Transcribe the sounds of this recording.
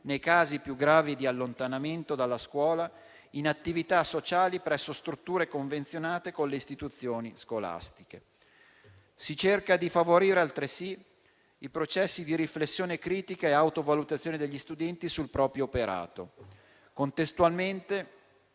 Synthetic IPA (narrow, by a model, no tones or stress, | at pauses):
nejkaːzipjuɡɾaːvid̪ialːont̪anament̪od̪alːaskwɔːla | inat̪ːivit̪asot͡ʃaːlipɾɛsːost̪ɾut̪ːuːɾekoɱvent̪sjonaːt̪ekonlːeist̪it̪ut̪sːjoːniskola̰st̪i̥ke | sit͡ʃerkad̪ifavoɾiːɾealt̪ɾesi | ipɾot͡ʃɛsːid̪iɾiflesːjoːnekɾiːt̪ikaeawt̪ovalut̪at̪sːjoːned̪eʎːist̪ud̪ɛnt̪isulpɾɔːpɾjoːpeɾa̰ːt̪o̰ | kont̪est̪ualment̪e